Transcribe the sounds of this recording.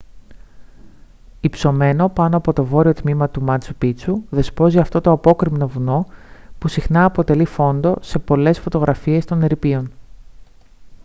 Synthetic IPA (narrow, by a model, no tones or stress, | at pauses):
ipso̞me̞no̞pɐno̞ɐpo̞t̪o̞vo̞ɾio̞t̪mimɐt̪umɐnt͡supit͡suðe̞spo̞ziɐft̪o̞t̪oɐpo̞kɾimno̞vuno̞pusixnɐːpo̞t̪e̞lifo̞nd̪o̞se̞po̞le̞sfo̞t̪o̞ɣɾʔɐfie̞st̪o̞neɾipio̞n